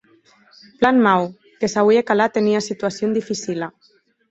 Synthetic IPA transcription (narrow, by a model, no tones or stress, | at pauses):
planmaw | kesaβuekalat̪eniasit̪uasjond̪ifisila